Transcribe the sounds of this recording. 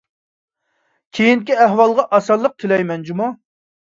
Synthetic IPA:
kʲʰejinkʲiæɦwɑlˠʁɑʔɑsɑlˠːəq̚t̪ʰɪlɛjmɛnd͡ʒumɑ

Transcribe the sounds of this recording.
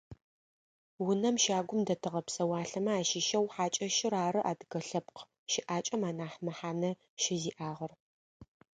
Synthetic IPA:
wʊnɐmʃaːɡʷʊmdɐtʰɨʁɐpsɐwaːɬɐmɐaːʃiʃɐwħaːt͡ʃʼɐʃɪɾaːɾɨʔa̰ːdɨɡɐɬɐpq | ʃɪʔaːt͡ʃʼɐmaːnaːħmɐħaːnɐ | ʃɪziːʔaːʁɐr

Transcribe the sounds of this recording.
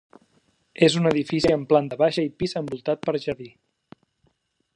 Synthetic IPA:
ezunəðifisiəmpland̪əβaʃəipizəmbulˠt̪at̪̚pəɾʒəɾði

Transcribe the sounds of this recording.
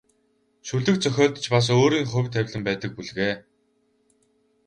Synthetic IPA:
ʃuɮɘ̆k̚t͡sœxʲɔːɮt̪t͡ɕpas̬oːɾiːŋχʊ̟wʲt̪ʰːæwʲɮɘ̆mpæːt̪ə̆k̚puɮɣeː

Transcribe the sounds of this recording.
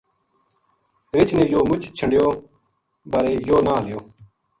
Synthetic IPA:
ɾɪt͡ʃʰneːjoːmʊt͡ʃt͡ɕʰəɳɖjoː | baɾeːjoːnaːlɪjoː

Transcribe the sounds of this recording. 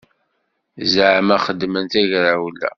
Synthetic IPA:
zəʕmæχəd̪ːmənt̪æʝɾawlːæ̰

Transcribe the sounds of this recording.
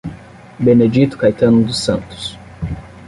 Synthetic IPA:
bened͡ʒit̪ʊ̥kajt̪ɐ̃nʊd̪ʊsɐ̃nt̪ʊ̥s

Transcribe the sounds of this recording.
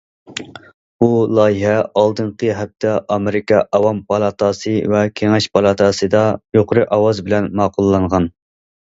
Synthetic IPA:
bulˠɑːjiɦɛɑlˠd̪ɨnqʰəɦɛp̚t̪ʰɛʔɑmeɾɪkʲɑʔɑwɑmpʰɑlˠɑt̪ʰɑsɨvɛkʲʰeŋɛʃpʰɑlˠɑt̪ʰɑsɨd̪ɑjoqʰəɾɨʔɑwɑzbɪlɛnmɑːqʰʊlˠːɑɴʁɑn

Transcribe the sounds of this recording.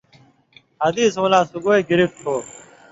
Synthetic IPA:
ɦəd̪iːsõːlãːsʊɡoːeːɡɪɾɪft̪ʰoː

